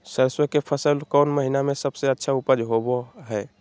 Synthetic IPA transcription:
səɾəswəkepʰəsəlkɔʊnməɦinamẽsəbseətːʃʰaupəd͡ʒɦoboɦɛː

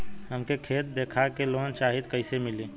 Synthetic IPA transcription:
ɦəmkekʰeːt̪̚d̪eːkʰakeloːɦənt͡ʃaːɦit̪kəɪsemɪliː

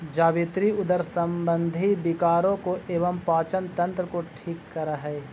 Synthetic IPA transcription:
d͡ʒaːbɪt̪ɾiʊd̪əɾsɐ̃mbə̃nd̪ʱibɪkaːɾõkoʔeːʋəmpaːt͡ʃənt̪ɐ̃nt̪ɾəkoʈʰiːkːɐɾaɦɛː

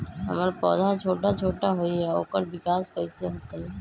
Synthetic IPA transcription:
ɦɐ̰maɾpɔ̰ːd̪ʱat͡ʃʰoːʈat͡ʃʰoːʈaɦoːiɛo̰ːkəɾbɪkaːskɐiseɦokəi

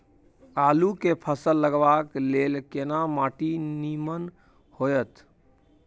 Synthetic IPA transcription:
alukepʰəsəlːəɡʋaklelkenamaʈinimən | hojət̪

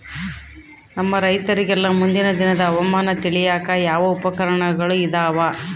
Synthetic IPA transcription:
nɐmːɐɾɐjt̪ɐɾiɡɛlːɐmund̪inɐd̪inɐd̪ɐːʋɐmaːnɐt̪iɭijaːkɐjaːʋɐupɐkɐɾɐɳɐɡɐɭuid̪aːʋa

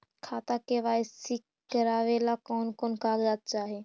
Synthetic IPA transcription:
kʰaːt̪akeʋaːesik | kːəɾaːʋelakoːnkoːnkaːɡdaːt̪̚t͡ʃaːɦe

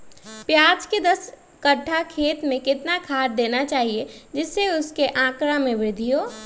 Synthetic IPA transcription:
pjaːd͡ʒked̪ɐs | kəʈʰːakʰeːt̪mẽkɪt̪nakʰaːɾ̚d̪eːnat͡ʃaːɦied͡ʒɪsːeʊskeʔãːkɾamẽʋɾɪd̪ʱijoː

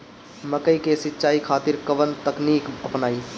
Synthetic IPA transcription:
məkəikesɪtːʃaːikʰaːt̪ɪɾkəʋənt̪əkniːkəpnaːi

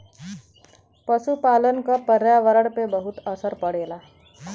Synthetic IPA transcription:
pəsupalənkapəɾjaʋəɾəɽpebəɦut̪əsəɾpəɽ̤ela

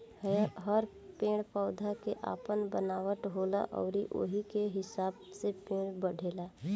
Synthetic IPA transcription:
ɦəɾ | pẽːɽ̃pɔːd̪ʱakeʔa̰ːpənbənaːwəʈɦoːla̰ʔɔ̰ːɾiʔo̰ɦikeɦɪsaːbsepẽːɽ̃bəɽ̤ʱeːlaː

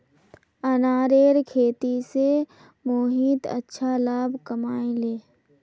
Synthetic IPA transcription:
ɐnaːɾeːɾkʰeːt̪ise | moːɦiːt̪ə̰tːʃʰalaːbkɐmaːẽleː

